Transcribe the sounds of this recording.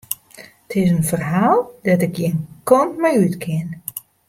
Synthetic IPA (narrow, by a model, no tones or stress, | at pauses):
tʰɪs̬ənfərɦaːlˠdɔtɪkjinkɔntmajytkʰɪn